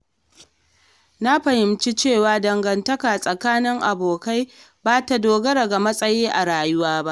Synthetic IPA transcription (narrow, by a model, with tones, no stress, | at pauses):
na˦ɸɐ˨hɪ˨mt͡ʃi˦t͡ʃeː˦˨waː˨dɐ˨ŋɡɐ˨ntɐ˦kaː˨sʼɐ˨kaː˦nɪ˦ŋʔa˨boː˨ka˦j | baː˦ta˨doː˨ɡɐ˦ɽɐ˨ɡa˨mɐ˦sʼɐ˦jiː˦ʔa˨ɾaː˨jʊ˦waː˦ba˦ʔ